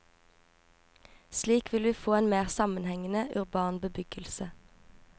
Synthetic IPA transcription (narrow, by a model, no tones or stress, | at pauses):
sliːkʋɪlʋʉːfoːeːnmeːʁsɑmənhɛŋənəʔʉʁbɑːnbəbʏɡ̥əlsə